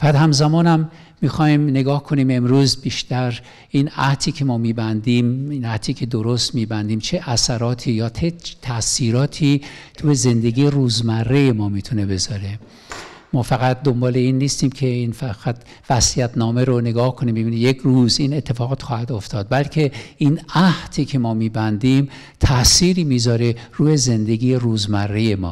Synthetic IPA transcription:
fææt̪hæmzæmɒːnæmː | iːxɒːimne̞ɡɒːhkʰo̞niːme̞mɾuːzbiːʃt̪æɾ | iːnæht̪ʰiːcʰe̞mɒːmiːbænd̪iːminæht̪ʰiːkʰe̞d̪oɾost̪miːbænd̪iːmt͡ʃʰe̞ʔæsæɾɒːt̪ʰiːjɒːt̪ʰet̪ʰæsiːɾɒːt̪ʰiːt̪ʰujeze̞nd̪eɡiːeruːzmærːe̞jemɒːmiːt̪ʰune̞be̞zɒɾe̞ | mɒːfæɣæt̪̚d̪o̞mbɒːle̞iːnːiːst̪iːmkʰe̞infæɣ̥æt̪ʰ | væsijæt̪ʰnɒːmeɾone̞ɡɒːhkʰoniːmbebinijekʰruːziːne̞t̪ʰːe̞fɒːɣɒːt̪xɒːhæd̪oft̪ɒːd̪̚bælcʰe̞ʔiːnæht̪ʰiːcʰe̞mɒːmiːbænd̪iːm | t̪ʰæʔsiːɾiːmiːzɒːɾe̞ruːje̞ze̞nd̪e̞ɡʲiːjeruːzmærːeje̞mɒ̰ː

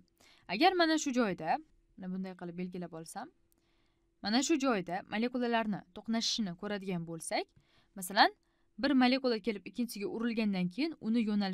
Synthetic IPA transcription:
aɡʲaɾmanaʃʊd͡ʒɒjd̪a | nɪbʊnd̪ajqɨlˠɪp̚be̞lɡʲɪlapɒlˠsamː | anaʃʊd͡ʒɒjd̪amʔale̞kulˠalaɾnɪt̪ʰoqnaʃɪ̥ʃɪnɪkʲʰɵɾad̪ɪɡʲanbolˠsakʲ | masalan | bɪɾmalʲe̞kulˠakʲe̞lɪpɪkʲːɪnt͡ʃʰʲɪsɪɡʲaʔʊɾɪlɡʲand̪ankʲʰejɪnʊnɪjonalɪ

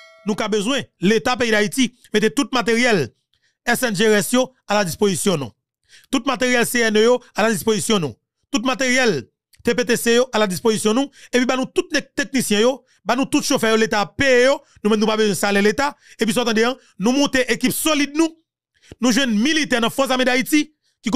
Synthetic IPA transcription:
nũkabøzw̃ɛ̃let̪ap̬eid̪aiti | met̪et̪ut̪̚mat̪̬eʁjɛl | ɛsɛ̃nʒeɛsjo | alad͡zispozisjɔ̃nṵ̃ | t̪ut̪̚mat̪eʁjɛlseɛnøjoalad͡zispozisjɔ̃nṵ̃ | t̪ut̪̚mat̪eʁjɛl | t̪epet̪̬esejoʔalad͡zispozisjɔ̃nũepɥibanũt̪ut̪̚nt̪ek̚nisjɛ̃jo | banũt̪ut̪ʃofɛjolet̪apeejo | nũmɛ̃mnũpabøzw̃ɛ̃salelet̪aep̬ɥis̬ɔ̃t̪ɐ̃d̪eã | nũmɔ̃t̪eʔekipsolid̪̚nũ | nũʒwɛ̃nmilit̪ɛnɐ̃fɔs̬amĩd̪aiti | kik

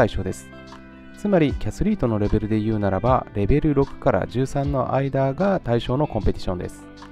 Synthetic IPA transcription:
aiɕo̞ːd̪e̞sɨ̥ | t͡sɨmaɾʲikʲasɨɾʲiːt̪o̞no̞ɾe̞be̞ɾɯ̟d̪e̞jɯ̟ːnaɾaba̰ɾe̞be̞ɾɯ̟ɾo̞kɯ̟̥kaɾa̰d͡ʑɨːsãnːo̞ʔaid̪aːɡat̪aiɕo̞ːno̞kõ̞mpe̞t̪ʲi̥ɕõ̞nd̪e̞sɨ̥

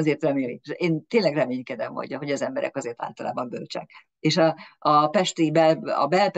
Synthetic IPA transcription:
zeːrt̪rɛmeːlikeːnt̪eːnlɛɡrɛmeːɲkɛd̪ɛmho̰ɟɦoɟɒzɛmbɛɾɛ̰kɒzeːrt̪a̰ːlt̪ɒlaːbɒmbølt͡ʃɛ̰k | eːʃɒɒpɛʃt̪ibɛlɒ̰bɛlp

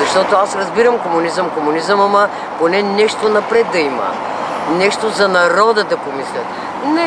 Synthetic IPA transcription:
zɐʃt̪ɔt̪oasɾɐzbiɾəmkomʊnizəmkomʊnizəmɐmɐ | ponɛnɛʃt̪onɐpɾɛt̪̚d̪ɐimə̰ | nɛʃt̪ozɐnɐɾɔd̪əd̪ɐpomislʲə̰t̪ | nɛ

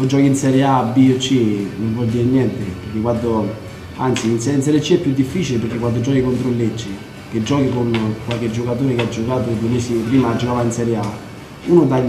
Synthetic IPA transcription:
od͡ʒːɔːkiinsɛɾjeabiot͡ʃːinoɱvɔd̪iːɾenjɛnt̪epeɾk̟ekwant̪o | ant̪siːnsɛɾinsɛɾjɛt͡ʃːiɛpːjud̪ːifːiːt͡ʃilepeɾkːekwand̪od͡ʒɔːkikont̪ɾolːed͡ʒːi | ked͡ʒːɔːkikonkwalk̟ed͡ʒːokat̪̬oːɾekead͡ʒːokaːt̪od̪uemeːsipɾiːmad͡ʒːokaːvainsɛɾjea | uːnʊd̪a

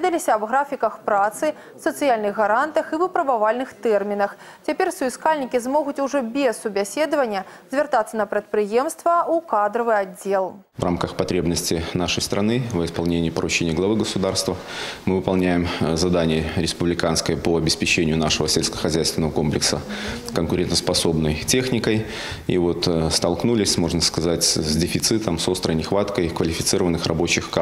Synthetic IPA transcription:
ɛd̪ɐlʲɪsʲɐːbɣɾafʲikɐxpɾat̪sɨ | sɐt̪sɨjalʲnɨɣɣɐɾant̪ɐxɨvɨpɾɐbavalʲnɨxt̪ɛrmʲinɐx | t͡sʲapʲersʊjskalʲnʲikʲizmɔɣʊt͡sʲuʐɔbʲɛsʊbʲasʲed̪ɐvɐnʲːɐzʲvʲɛrt̪at̪sɐnɐpɾʲɐt̪̚pɾɨjɛmst̪vɐukad̪ɾɐvɨad͡zʲːelˠ | vrʔamkəxpɐt̪ɾʲebnəsʲtʲɪnaʂəjst̪ɾɐnɨvəɪspɐlˠnʲenʲɪjəpəɾʊt͡ɕenʲɪjəɡlˠɐvɨɡəsʊd̪arst̪vəmɨvɨpɐlˠnʲæjɪmzɐd̪anʲɪjəɾʲɪspʊblʲɪkanskəjəpoɐbʲɪspʲɪt͡ɕenʲɪjʊnaʂəvəsʲelʲskə̥xɐzʲæjst̪vʲɪnəvəko̞mplʲɪksə | kənkʊɾʲent̪əspɐso̞bnəjtʲe̞xnʲɪkəj | ḭvo̞t̪st̪ɐlˠknulʲɪsʲmo̞ʐnəskɐzatʲzʲdʲɪfʲɪt̪sɨt̪əmso̞st̪ɾəjnʲɪxvat̪kəjkvəlʲɪfʲɪt̪sɨɾəvənːɨxrɐbo̞t͡ɕɪxka

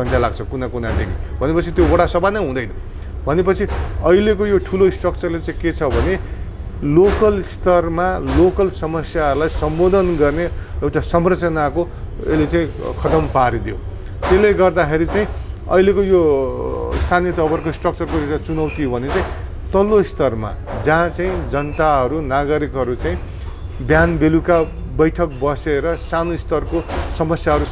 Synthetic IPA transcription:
sʌnʈʰjalaɡ̚t͡sʰʌkunakunad̪ḛɡibʱʌnepʌt͡sʰit̪jobʌɽasʌbanʌjɦũd̪ʌjnʌ | bʱʌnepʌt͡sʰiʌilekojoʈʰuloisʈrʌk̚t͡sʌrlet͡saĩket͡sʰʌbʱʌne | lokʌlst̪ʌrmalokʌlsʌmʌsjaɦʌɾulajsʌmbod̪ʌnɡʌrneewʈasʌmrʌt͡sʌnako | ḛlet͡saĩkʰʌt̪ʌmpaɾid̪jo̰ | t̪eleɡʌrd̪axʰeɾit͡saĩʌ̰ilekojo | st̪ʰanijʌt̪ʌbʌrkoisʈrʌk̚t͡sʌrkoewʈat͡sunʌwt̪iobʱʌnet͡saĩ | t̪ʌloist̪ʌrma̰ | d͡zãt͡saĩd͡zʌnt̪aɦʌɾunaɡʌɾikɦʌɾut͡saĩ | bjanbeluka | bʌjʈʰʌk̚bʌseɾʌsanost̪ʌrkosʌmʌsjaɦʌɾu

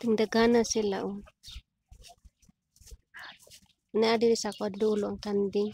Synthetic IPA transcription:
t̪iŋdəɡanasilaʔu | naadidisakaduluaŋkandiŋ

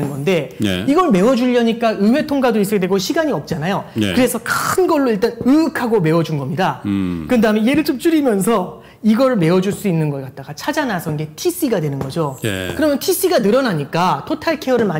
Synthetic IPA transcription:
ɯnɡʌnde̞iɡʌɯɭme̞wʌd͡ʑuʎːʌɲik͈aɯwe̞tʰoŋɡadois͈ʌkʰedweɡoɕʰiɡaɲiʌp̚t͡ɕ͈anajo̰kɯɾe̞sʰʌkaɯnɡʌɭːoiɭt͈anɯɯkʰaɡome̞wʌd͡ʑunɡʌmɲidakɯdaɦmjʌnje̞ɾɯɭt͡ɕ͈op̚t͡ɕ͈uɾimjʌnsʰʌ | iɡʌɾɯɭme̞wʌd͡ʑuɭs͈uinːɯnɡʌk͈at̚t͈aɡat͡ɕʰad͡ʑanasʰʌnɡetʰis͈iɡadwe̞nɯnɡʌd͡ʑo̰kɯɾʌmjʌntʰis͈iɡanɯɾʌnaɲik͈atʰotʰaɭkʰe̞ʌɾɯɭma

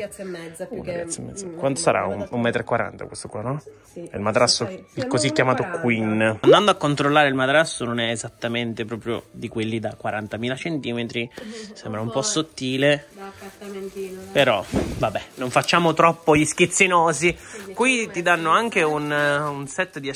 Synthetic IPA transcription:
ṵna̰t̪sːɛmːɛ̰d̪zakwand̪osaɾa̰unumːɛːt̪ɾekːwaɾa̰nt̪a̰kwest̪okwanɔ | ɛ̰ilmat̪ɾasːoilkozikːjamaːt̪okwinand̪and̪oakːont̪ɾolːaːɾeilmat̪ɾasːononɛezat̪ːament̪epɾɔːpɾjo̰d̪ikwelːid̪akːwaɾant̪amiːlat͡ʃent̪iːmet̪ɾisembɾaumpɔsːot̪ːiːle | peɾɔvabːɛnoɱfat͡ʃːaːmot̪ɾɔpːoʎiskit̪sːinɔːzikwit̪id̪anːoaŋk̟eununsɛt̪ːd̪i

